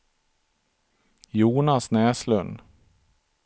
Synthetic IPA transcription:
juːnasnɛːslɵnd̪

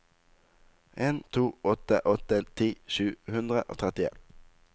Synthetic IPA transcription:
ʔeːnt̪ʰuːɔt̪əʔɔt̪ət̪ʰiːʃʉːhʉnd̪ʁəʔo̰ːt̪ʰʁɛt̪ɪḛn

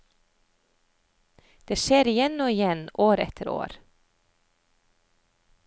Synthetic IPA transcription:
d̪̥eːʃeːɾɪjɛnoːɪjɛnʔoːɾɛ̰t̪ʰəɾo̰ːɾ

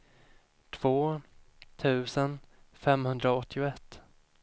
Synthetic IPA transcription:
t̪ʰv̥oː | t̪ʰʉ̟ːsənfɛmhɵnd̪ɾaɔt̪ʰːɪʊɛt̪ː

